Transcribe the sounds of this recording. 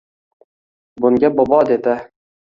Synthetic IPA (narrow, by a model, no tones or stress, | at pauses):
bʊŋɡʲabɒbɒd̪ed̪ɪ